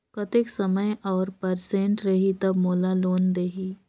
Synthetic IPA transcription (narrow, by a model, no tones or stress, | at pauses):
kɐt̪eksɐməjɔːɾpɐɾsẽɳʈɾɐɦit̪ɐbmoːlaloːnd̪eːɦiː